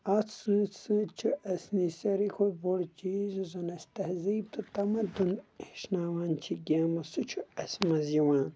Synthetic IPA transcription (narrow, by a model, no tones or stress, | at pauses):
ɐt͡ssɨ̃sɨ̃t͡ʃʰuʔɐsnisɐɾikʰoboɽt͡ʃiːzuzɐnɐst̪ɐhziːb̚t̪ʰut̪ɐmɐd̪uniʃnaːwaːnt͡ʃʰiɡʲaːmɐsut͡ʃʰuɐsmɐzjiwãːn